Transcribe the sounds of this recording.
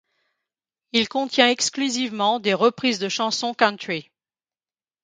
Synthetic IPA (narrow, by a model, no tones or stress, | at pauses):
ilkɔ̃t̪jɛ̃ɛksklyzivmɑ̃d̪eʁəpχizd̪əʃɑ̃sɔ̃kãnt̪χi